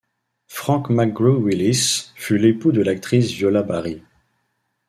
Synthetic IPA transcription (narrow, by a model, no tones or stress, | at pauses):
fχɑ̃kmaɡʁuwilisfylepud̪əlak̚t̪χisvjɔlabaʁi